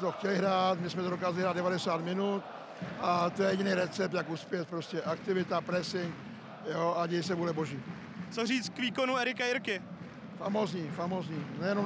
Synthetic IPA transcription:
t̪oxcɛlɪɦɾaːt̪mɪsmɛt̪odokaːzalɪɦɾaːd̪dɛvadɛsaːt̪mɪnut̪ | ʔat̪ojɛjɛɟɪnɛjɾɛt͡sɛp̚t̪jakuspjɛt̪̚pɾo̞scɛʔakt̪ɪvɪt̪apɾɛsɪŋk | joʔaɟɛjɪsɛbudlɛboʒiː | t͡soriːt͡st̪kviːkonuɛɾɪkaɪɾkɪ | famozɲiːfamozɲiːnɛjɛnom

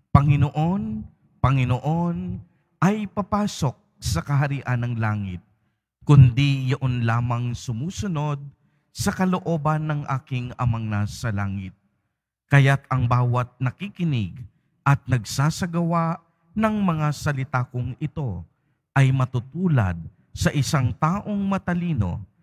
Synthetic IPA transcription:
pɐŋɪnoʔo̞n | pɐŋɪnoʔo̞n | ʔɐjpɐpaːso̞k̚sɐkɐɦɐɾiːʔɐnːɐŋlaːŋɪ̰t̪̚ | kʊnd̪ijɐʔonlaːmɐŋsʊmuːsʊno̞d̪̚ | sɐkɐloʔo̞ːbɐnːɐŋʔaːkɪŋɐ̰mɐŋnasɐlaːŋɪt̪̚ | kɐjat̪ɐŋbaːwɐt̪̚nɐkikɪnɪɡ | ʔɐt̪̚nɐɡsaːsɐɡɐwaʔ | nɐŋmɐŋasɐlɪt̪aːkʊŋɪt̪o̞ | ʔɐjmɐt̪ut̪uːlɐ̰d̪̚ | sɐʔɪsaŋt̪aːʔo̞ŋmɐt̪ɐliːno̞̰

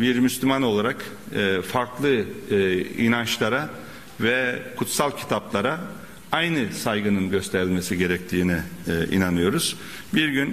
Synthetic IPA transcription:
biɾmyslʲymano̞lˠaɾakː | faɾklˠɯ | ḭnant͡ʃlˠaɾa | vɛkʰut̪salˠcʰi̥t̪ʰaplˠaɾa | ajnɯsajɡɯnɯnɟø̞st̪ʰeɾilʲme̞siɟe̞ɾɛc̚t̪ʰiːniḭnanɯjo̞ɾuz̥ | biɾɟyn

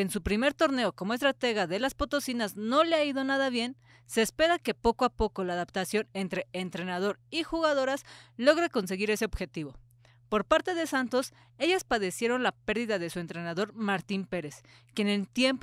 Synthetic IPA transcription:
ensupɾime̞ɾt̪o̞ɾne̞o̞ko̞moest̪ɾat̪e̞ɣaðe̞laspo̞t̪o̞sinazno̞leaiðo̞naðaβje̞n | se̞ːspe̞ɾake̞po̞koapo̞kolaːðapt̪asjo̞ne̞nt̪ɾe̞ent̪ɾe̞nað̞o̞ɾixuɣaðo̞ɾaslo̞ɣɾeko̞ns̬e̞ɣiɾe̞se̞oβ̥xe̞t̪iβo̞ | po̞ɾpaɾt̪e̞ðe̞sant̪o̞s | e̞ʝaspaðe̞sje̞ɾo̞nlape̞ɾðiðaðesue̞nt̪ɾe̞naðo̞ɾmaɾt̪impe̞ɾe̞s | kjene̞lt̪je̞mp

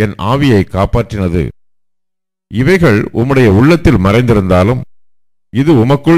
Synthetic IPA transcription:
ɛnaːʋɪjɐɪkːaːpaːʈrɪnɐðɯ̰ | ɪʋɐɪɣɐɭʔʊmːɯɽɐjɐʊɭːɐt̪ːɪlmɐɾɐɪnd̪ɪɾɯnd̪aːlɯm | ɪðɯʊmɐkːɯ

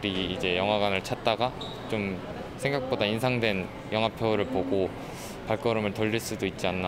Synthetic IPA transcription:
ɾiːd͡ʑe̞jʌŋɦaɡwanɯɭt͡ɕʰat̚t͈aɡa | t͡ɕom | sʰe̞ŋɡak̚p͈odainsʰaŋdwe̞n | jʌŋɦwapʰjoɾɯɭpoɡo | paɭk͈ʌɾɯmɯɭtʌʎːiɭs͈udoit̚t͡ɕ͈ianːa

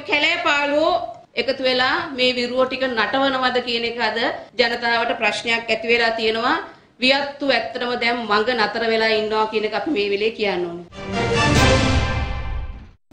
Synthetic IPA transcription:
kælejpaːluo | ekət̪uʋelaːmeːʋiɾuʋoʈikənaʈəʋənəʋad̪əkijənekəad̪əd͡ʒanət̪aːʋəʈəpraʃnəjakːæt̪iʋelaːt̪ijənəʋa | ʋijat̪ːuæt̪ːəɾəməd̪ɛmːaŋɡənat̪əɾəʋelaːinːəʋakijənekəapimeːʋeleːkijanːoːnə

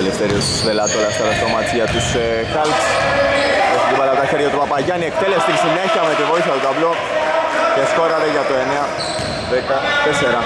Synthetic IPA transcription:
lieft̪eɾiost̪i̥svelɐt̪olɐst̪ɐt̪ɐst̪omɐt͡siɐt̪us | xɐlks | eçiivɐlɐpt̪ɐçe̞ɾʝɐt̪upɐpɐʝɐniek̚t̪e̞lest̪insine̞çiɐme̞t̪ivo̞iθçɐt̪ot̪ɐvlo̞ | cesko̞ɾɐt̪eʝɐt̪oe̞neɐ | ðekɐt̪eseɾɐ

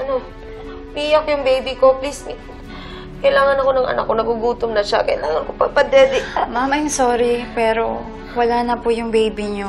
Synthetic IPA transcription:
ʔɐno̞ | mijakjʊŋbejbiko̞plis | kɐjlaːŋɐnɐko̞nɐŋɐ̰na̰kːonɐɡuɡuːt̪omnɐʃa̰kɐjlaːŋɐnkopɐpɐd̪ɛd̪ɪmamajmsoːɾipɛːɾo̞ | wɐlaːnɐpʊjʊŋbejbiɲo

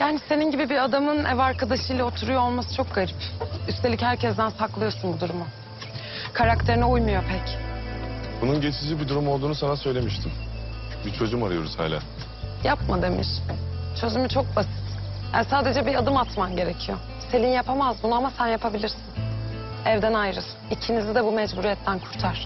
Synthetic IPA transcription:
jaːnise̞ninɟibibiad̪amɯnɛ̰vaɾkʰad̪aʃɯjlaot̪ʰuɾujo̞olˠmasɯ̥t͡ʃʰo̞k̚ɡ̥aɾipyst̪ʰeichæɾcʰɛzd̪ænsaklˠɯjo̞ɾsunbud̪uɾumʊ | kʰaɾakt̪ʰe̞ɾinɛujmujo̞pʰɛc | bununɟe̞t͡ʃʰid͡ʒibid̪uɾumo̞lˠd̪uːnusanasø̞jlʲe̞miʃt̪ʰim | bit͡ʃʰo̞d͡ʒumaɾajo̞ɾuz̥ha̰ːlʲa̰ː | japmad̪e̞mḭʃt͡ʃʰø̞zymyt͡ʃʰo̞k̚basi̥t̪hænsaːd̪e̞d͡ʒɛbiad̪ɯmat̪manɟe̞ɾe̞cʰijo̞ | se̞lʲinjapʰamazbunuamasænjapʰabilʲiɾsinɛvd̪ænajɾɯsɯnicʰinizid̪ɛbumɛd͡ʒbuɾijɛt̪ʰːænkʰuɾt̪ʰaɾ̥

